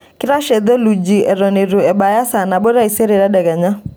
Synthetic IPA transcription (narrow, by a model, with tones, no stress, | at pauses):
kɪ˦ɾa˦ʃe˨d̪ɔ˦lu˨d͡ʒi˨ʔɛ˨ɾɔ˨ne˨ɾu˨ɛ˨ɓa˨ja˦sa˨na˨bɔ˦ɾa˦i˨se˦ɾe˨ɾa˦dɛ˨ɡa˨ɲa˦